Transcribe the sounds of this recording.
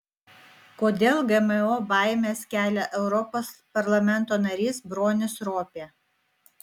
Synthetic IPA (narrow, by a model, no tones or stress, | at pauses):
koːd̪ʲeːlˠɡɛmɛoːbɑˑɪmʲeːskʲæːlʲɛʔɛʊɾɔpoːspɐɾlˠɐmʲɛnˑt̪oːnɐɾʲiːsbɾoːnʲɪsɾoːpʲeː